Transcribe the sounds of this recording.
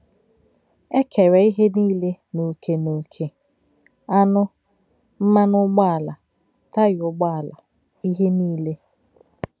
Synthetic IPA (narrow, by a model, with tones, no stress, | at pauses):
e˦kʰe˨ɾe˨i˦ɦe˦niː˦le˦no˨kʰe˨no˨kʰe˨ | a˦nʊ˦ | m̩˦ma˦nʊ˦ɡ͡ba˦a˨la˨ | ta˦jʊ˦ɡ͡ba˦a˨la̰˨ | i˦ɦe˦niː˦le˦